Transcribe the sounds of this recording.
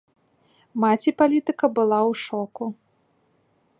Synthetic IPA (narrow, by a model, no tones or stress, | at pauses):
mat͡sʲipalʲit̪ɨkɐbɨlˠawʂɔku